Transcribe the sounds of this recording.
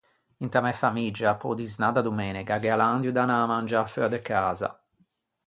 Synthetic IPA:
int̪amɛfamid͡ʒapɔ̰d̪iznad̪ad̪umɛːnikaɡɛaland̪jud̪anamand͡ʒaføad̪ɛkːaːza̰

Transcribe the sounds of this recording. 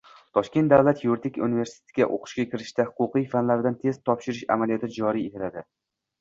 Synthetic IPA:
t̪ʰɒʃkʲe̞nt̪d̪avlat̪juɾt̪ʰɪkʲṵnive̞ɾsɪ̥t̪ʰe̥t̪ʰɪɡʲaʔo̰qʰɨ̥ʃɡʲakʲʰɪɾɪʃt̪ahʊqʊqijfanlaɾɪd̪ant̪ʰez̥t̪ʰɒpʃɪɾɪʃa̰malijɒt̪ʰɪd͡ʒɒɾijet̪ʰɪlad̪ɪ

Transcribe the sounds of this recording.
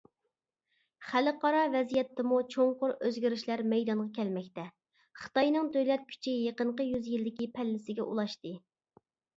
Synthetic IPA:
χælɨqʰɑɾɑvɛzijɛt̪ʰːɪmut͡ʃʰoŋqʊɾøzɡʲiɾiʃlæɾmɛjd̪ɑnʁɑkʲʰɛlmɛk̚ʲt̪ɛ | χə̥t̪ɑjnɨŋd̪øjlɛt̪̚kʲʰy̥t͡ʃʰɪjeqənɴqəjyzjild̪ɪkʲipʰɛlːɪsɪɡʲɛʔṵlˠɑʃt̪ɨ

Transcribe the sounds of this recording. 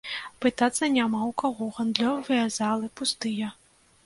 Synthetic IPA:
pɨt̪at̪sːɐnʲamawkaɣɔɣɐnd̪lʲɔvɐjɐzalˠɨpust̪ɨjɐ

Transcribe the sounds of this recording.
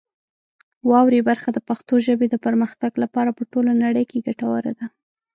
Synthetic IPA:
wɑwɾebaɾxad̪əpaxt̪oʒəbed̪əpəɾməxt̪aɡlapɑɾapəʈolonaɽəjkeɡaʈawaɾad̪a

